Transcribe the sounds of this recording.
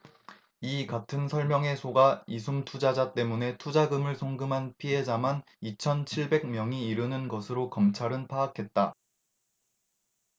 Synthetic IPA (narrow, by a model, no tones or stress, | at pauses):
ikatʰɯnsʰʌɭmjʌŋe̞sʰoɡaisʰumtʰud͡ʑad͡ʑat͈e̞mune̞tʰud͡ʑaɡɯmɯɭsʰoŋɡɯmɦanpʰiɦe̞d͡ʑaman | it͡ɕʰʌnt͡ɕʰiɭbe̞ɡ̚mjʌŋiːɾɯnɯnɡʌsʰɯɾokʌmt͡ɕʰaɾɯnpʰaːkʰe̞t̚t͈a